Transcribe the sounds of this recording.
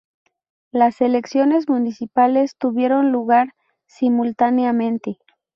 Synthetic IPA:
lase̞le̞ksjo̞ne̞zmunisipale̞st̪uβje̞ɾo̞nluɣaɾ | simult̪aneamẽ̞nt̪e

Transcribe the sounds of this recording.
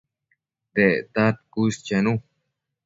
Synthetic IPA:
d̪et̪at̪̚kust͡ɕenu

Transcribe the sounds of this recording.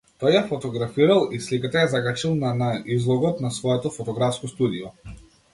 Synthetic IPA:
t̪ɔjːafɔt̪ɔɡɾafiɾalˠislikat̪ajazaɡat͡ʃilˠnanaizlˠɔɡɔt̪nasvɔɛt̪ɔfɔt̪ɔɡɾafskɔst̪ud̪ijɔ

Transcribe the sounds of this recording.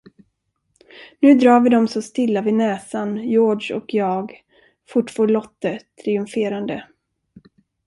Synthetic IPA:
nʉ̟ːd̪ɾɑːɾvɪd̪ɔmsɔst̪ɪlːavɪnɛːsanjoːʂɔ̰kʰjɑːɡ | fʊʈːfoːɭɔt̪ːət̪ʰɾɪɵmfeːɾand̪ə

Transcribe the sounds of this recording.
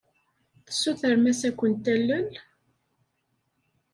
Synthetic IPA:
θə̥sːuθəɾmæsækʷːənt̪ːælːəl

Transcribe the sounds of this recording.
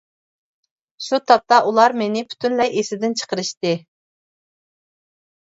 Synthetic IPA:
ʃut̪ʰɑp̚t̪ɑʔulˠɑɾmenɪpʰy̥t̪ʰynlɛjʔesɪd̪ɪnt͡ʃʰə̥qəɾɨʃt̪ɨ

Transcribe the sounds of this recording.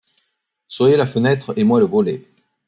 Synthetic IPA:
swajelafənɛt̪χemwaləvɔle

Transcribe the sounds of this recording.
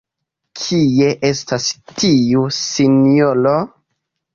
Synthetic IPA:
kʰie̞ʔe̞stastiusinolo̞

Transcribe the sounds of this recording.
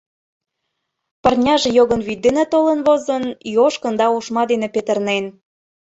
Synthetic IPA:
pə̆rnʲɑʒĕjoɣə̆nβid̪enæt̪olə̆nβozənjoʃkə̆nd̪ɑuʃmɑd̪enĕpet̪ə̆rnen

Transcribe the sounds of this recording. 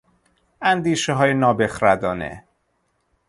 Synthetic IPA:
ænd̪iːʃeɦɒːjenɒːbe̞xɾæd̪ɒːnḛ

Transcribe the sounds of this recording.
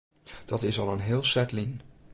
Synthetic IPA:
d̥ɑtɪsɑlˠənɦɪːlˠsɛtlin

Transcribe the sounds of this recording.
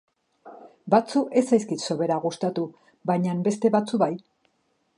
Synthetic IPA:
bat͡suʔe̞sajskit̪so̞βe̞ɾaɣust̪at̪u | bajɲambe̞st̪e̞βat͡suβaj

